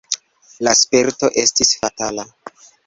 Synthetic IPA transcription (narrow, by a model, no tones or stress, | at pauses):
laspeɾto̞ʔe̞stisfatala